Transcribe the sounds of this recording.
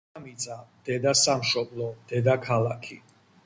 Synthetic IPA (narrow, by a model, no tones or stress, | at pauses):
mit̪sʼad̪̥ɛd̪asamʃɔblˠɔd̪̥ɛd̪akʰalakʰi